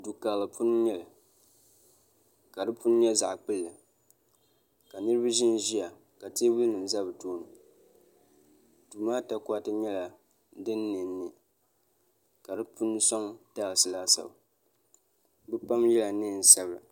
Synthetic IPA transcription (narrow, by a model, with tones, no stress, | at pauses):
du˨kaː˨lɨ˨pʰʊ˦n˦ɲɛ˦lɨ˨ | ka˨dɨ˦pʊ˦n˦ɲɛ˦za̰˨ʔk͡pɨ˦lːɨ˨ | ka˨nɨ˦ɾɨ˦ba˦ʒɪ˦n˦ʒi˦a˨ | ka˨te˦wi˦nɨ˨m˨za˦bɨ˨toː˦nɨ˨ | duː˨maː˦ta˦kʷa˦tɨ˦ɲɛ˦la˨ | dɨ˦nːɨ˨n̩ː˦ɨ˨ | ka˨dɨ˦pʊ˦n˦sɔ˦ŋtaː˦ɣsɨ˨laː˦sa̰˨b | bɨ˦pa˦mjɛ˦la˨nɨ˦˨n̩˨sa˦bɾa̰˨